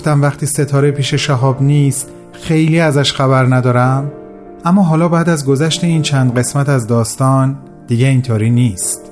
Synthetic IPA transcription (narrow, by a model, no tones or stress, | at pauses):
ft̪æmvæxt̪ʰiːse̞t̪ʰɒːɾepʰiːʃe̞ʃæɦɒːbniːst̪ | xe̞jliːæzæʃxæβæɾnæd̪ɒːɾæm | æmːɒːɦɒːlɒːbæːd̪æzɡo̞zæʃt̪eiːnt͡ʃʰænd̪ɢe̞smæt̪æzd̪ɒːst̪ɒːn | d̪iːɟeiːnt̪ʰoːɾiːniːst̪